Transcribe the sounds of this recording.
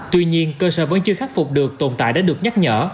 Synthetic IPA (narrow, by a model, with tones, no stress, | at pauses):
t̪wi˧ɲi˧ənkəː˧səː˧˩və˨˦nt͡ɕɨ˧xaː˦˥t̚fʊ˨˩k͡p̚ɗɨ˨˩ək̚t̪o˨˩nt̪a̰ː˧˨jɗa̰ː˧˥ɗɨ˨˩ək̚ɲa˦˥t̚ɲə̰ː˧˩